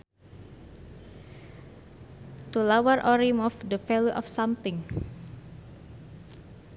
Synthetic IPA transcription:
t̪ulawarʔɔɾimɔfdəfɛloʔɔfsamt̪iŋ

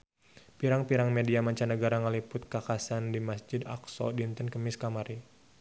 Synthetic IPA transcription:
piɾaŋpiɾaŋmediamaɲt͡ʃanəɡaɾaŋəlipʊt̪̚kakasandimasd͡ʒɪdaksɔ̰dint̪ənkəmɪskamaɾi

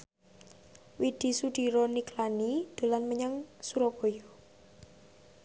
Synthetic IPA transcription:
wid̪̥i̤suɖ̪̥i̤ɾɔniklanid̪̥o̤lanməɲaŋsuɾɔb̥o̤jɔ

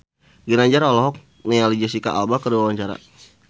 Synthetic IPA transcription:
ɡinaɲd͡ʒaɾɔlɔɦɔk̚ | nɛalid͡ʒasika̰ʔa̰lbakəduwawaɲt͡ʃaɾa̰

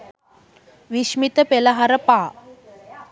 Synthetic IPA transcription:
ʋiʃmit̪əpeləɦaɾəpaː

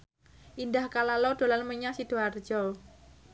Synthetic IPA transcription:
ʔindahkalalɔd̪̥o̤lanməɲasid̪̥o̤ard̥ʒ̥ɔ

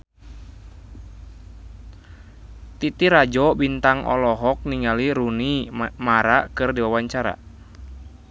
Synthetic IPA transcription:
t̪it̪iɾad͡ʒɔbint̪aŋɔ̰lɔɦɔk̚niŋaliɾunimaɾakɨrdiwawaɲt͡ʃaɾa̰

